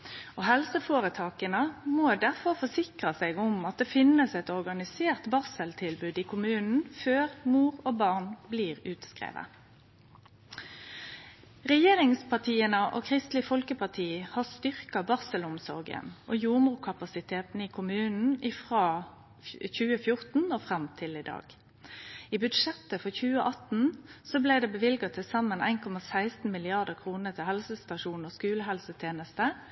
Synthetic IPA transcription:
oɦɛlsəfoːʁət̪ʰɑːkənəmoːd̪æʁfɔʁfɔsɪkʁɑseːɡʊmɑt̪̚d̪eːfɪnːəsɛt̪ɔʁɡɑnɪseːʁt̪bɑʁsəlt̪ʰɪlbʉːd̪iːkʰʊmʉːnn̩føːʁmuːʁoːbɑʁnbliːʁʉːt̪skʁḛːʋə̰ | ʁɛjeːʁɪŋspʰɑt̪ʰiːənəʔo̰ːkʰʁɪst̪lɪfɔlkəpʰɑʁt̪ʰiːhɑːst̪ʏʁkɑbɑʁsəlʊmsɔʁɡə̰nʔoːjuːʁmʉːkʰɑpɑsɪt̪ʰeːt̪n̩əiːkʰʊmʉːnn̩ɪfʁɑː | çʉːəfjʊʁt̪n̩oːfʁɑmt̪ʰɪliːd̪ɑ̰ːɡ̥ | iːbʉd̪ʂɛt̪əfɔçʉːəʔɑt̪n̩soːblæɪd̪eːbəʋɪlɡɑt̪ʰɪsɑmənæ̰ɪnkʰɔmɑsæɪst̪n̩mɪlɪɑʁd̪əkʰʁuːnət̪ʰɪhɛlsəst̪ɑʃuːnoːskʉːləɦɛlsət̪ʰjeːnəst̪ə

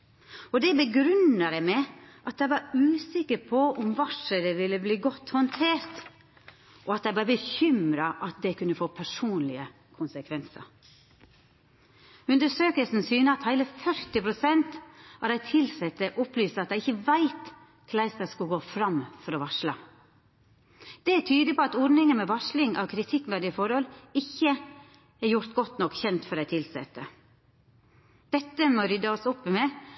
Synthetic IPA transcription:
ɔd̪ɛbəɡɾʉnəɾɛɪmɛʔɑt̪æɪʋɑɾʉːsɪkəɾpʰɔʊmʋɑʂəɾəʋɪlːəbliːɡɔt̪ːhɔnt̪ʰeːɾt̪ | ʔɔɑt̪æɪb̪ɑɾbəçʏmɾɑʔɑt̪̚d̪ɛkʰʉnːəfoːpʰæʂuːnlɪə | kʰʊnsəkʰʋɛnsə̰ɾ | ʉnd̪əʂøːkəlsn̩syːnəɑt̪hæɪləfœɾt̪ɪpʰɾʊsɛnt̪ɑd̪æɪt̪ʰɪlsɛt̪ːəʔɔplyːst̪ɑt̪d̪æɪɪçəʋæɪt̪ | kʰlæɪst̪əskʉɡoːfɾɑmfɔɾɔʋɑʂlɑ̰ | d̪̥ɛæt̪ʰyːd̪ɪpʰɔɑt̪ɔɾnɪŋənmɛʋɑʂlɪŋʔɑ̰ʋkʰɾɪt̪ʰɪkːmed̪ɪəfɔɾhɔlɪçːə | æɾjʊɾt̪ɡɔt̪nɔkːçɛnt̪fɔɾæɪt̪ʰɪlsɛ̰t̪ːə | d̪̥ɛt̪ːəmoɾʏd̪ɑɔsɔpːmeː

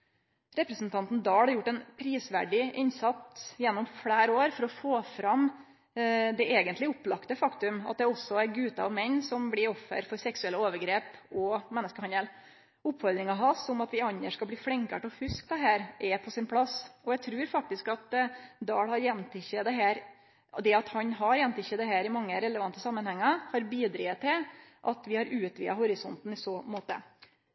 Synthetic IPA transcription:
ɾɛpɾɛsnt̪ʰɑnt̪n̩d̪ɑːɽhɑɾjʊʈːɛnpʰɾiːsʋæ̰ɖɪʔɪnsɑt̪ːjɛnːɔmfɽæːɾoːɾfɔɾɔfoːfɾɑm | d̪ɛʔeːɡənt̪lɪʊplɑkt̪əfɑkt̪ʉmɑ̰t̪̚d̪ɛɔsːɔæɡʉːt̪əɑʋmɛɲːsɔmblɪɾɔfːə̰ɾfɔɾsɛksʉɛlːəoːʋəɾɡɾeːpɔmɛnːəskəhɑnəl | ʊpːfɔɾd̪ɾɪŋɑɦɑsɔmɑt̪ʋɪɑnːəʂkɑlbliːfɽɪŋkɑʈɔfʉsk̚d̪ɛɦæːɾʔɛpʰɔsɪnpʰɽɑsːɔjæɪt̪ʰɾʉːɾfɑk̚t̪ɪskɑt̪d̪ɑːɽhɑɾjɛnt̪ɪçəd̪ɛɦæːɾ | d̪ɛɑt̪hɑnɦɑɾjɛnt̪ɪçəd̪ɛɦæːɾɪmɑŋːəɾɛləʋɑnt̪əsɑmːənhɛŋːɑhɑɾbiːd̪ɾiːət̪ːɪlʔɑt̪ʋɪhɑɾʉːt̪ʋḭːɑ̰ɦʊɾɪsɔnt̪n̩ɪsɔmoːt̪ə̰

